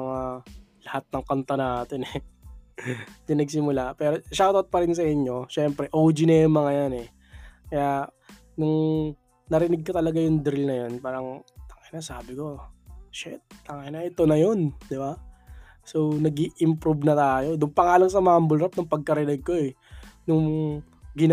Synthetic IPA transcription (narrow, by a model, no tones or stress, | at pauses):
mɐŋalɐhat̪̚nɐŋkɐnt̪ɐnaːt̪ɪnɛ | t̪ɪnɐɡsɪmʊlapɛːɾo̞ʃat̪ot̪̚pɐɾɪns̬ɐʔɪɲːo̞ʃɛmpɾɛʔowd͡ʒinɐjʊŋmɐŋɐjanɛ | kɐja | nʊŋ | nɐɾɪnɪɡ̚kɐt̪ɐlɐɡajʊŋd̪ɾɪlnɐjonpaːɾɐŋɐŋɪnasaːbɪko̞ʃɛt̪̚ːɐŋajnɐʔɛt̪onɐjo̞nd̪ɪba | sonɐɡiʔɪmpɾubnɐt̪aːjo̞d̪ʊŋpɐŋaːlɐŋsɐmambʊlɾɐp̚nɐŋpɐɡ̚kɐɾɪnɪɡ̚koɛnʊŋ | ɡɪn